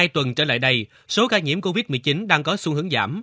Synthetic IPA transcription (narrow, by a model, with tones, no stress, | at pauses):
aː˧jt̪wə˨˩nt͡ɕə̰ː˧˩la̰ː˧˨jɗə˧j | so˨˦kaː˧jŋḭ˧˩˥əmko˧vi˦˥t̚mɨ˨˩jt͡ɕi˨˦nɗaː˧ŋkɔ˨˦su˧ŋhɨ˨˦əŋza̰ː˧˩m